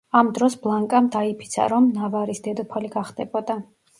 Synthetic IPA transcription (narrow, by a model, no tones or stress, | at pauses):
amd̪ɾɔsblˠaŋkʼamd̪aipʰi̥t̪sʰa̰ɾɔmnavaɾisd̪ɛd̪ɔpʰaliɡaχd̪ɛbɔd̪a